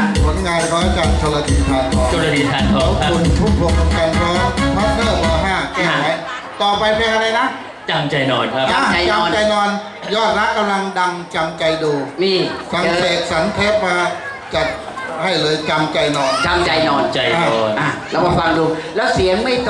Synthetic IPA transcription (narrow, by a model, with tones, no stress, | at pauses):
pʰo˨˦nŋaː˧nkʰɔː˦˥t͡ɕa˨˩k̚t͡ɕʰoː˧la˧t̪ʰi˨˩t̪ʰaː˧nk̪ʰɔː˧˩o˧˩la˧i˨˩t̪ʰaː˨˧˦nk̪ʰɔ˦˥kʰa˦˥u˧npʰu˥˩pʰo˨˩k̚a˧˩ka˧npʰɔː˧˥t̪ʰɔː˦˥˩nʰɤː˥˩bɔː˧ɦaː˥˩kɛː˥˩˧a˦˥j | t̪ɔː˨˩pa˧jpʰa˧jʔa˧ɾa˧jna˦˥ʔ | t͡ɕa˧mt͡ɕa˧jnɔː˧nkʰa˦˥pʔaː˧˩a˧jt͡ɕa˧ɔː˧nt͡ɕa˧jnɔː˧n | jɔː˥˩t̪̚ɾa˦˥ʔkkːa˧mla˧ŋda˧ŋt͡ɕa˧mt͡ɕa˧jduː˧miː˧˩sa˨˩˦mseː˨˩t̪̚sa˩˦nt̪ʰeː˦˥p̚maː˧ | t͡ɕa˨˩p̚ | ha˥˩jlɤː˧jt͡ɕa˧mt͡ɕa˧jnɔː˧na˧mt͡ɕa˧jnɔː˧nt͡ɕa˧˩ja˧˩ɔː˧nʔa˨˩lɛ˦˥wkɔː˧kʰwaː˧mduː˧lɛː˦˥wsi˨˩˦əŋma˥˩jk